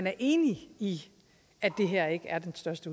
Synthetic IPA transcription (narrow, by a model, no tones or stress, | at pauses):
næɐʔe̝̰ːnii | æd̥e̝ɦeɐ̰e̝ɡ̥əʔæɐd̥ensd̥ɶɐsd̥əu